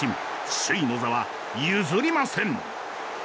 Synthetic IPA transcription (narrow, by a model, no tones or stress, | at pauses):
ĩm | ɕɨinozaβa | jɯzɨɾʲimasẽŋ